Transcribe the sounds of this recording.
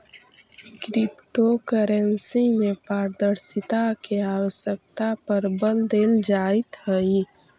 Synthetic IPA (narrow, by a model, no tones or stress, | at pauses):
kɾipʈokəɾẽnsimẽpaːɾd̪əɾsɪt̪akeaːwəʃjək̚t̪apəɾbəld̪eːld͡ʒaːɪt̪həi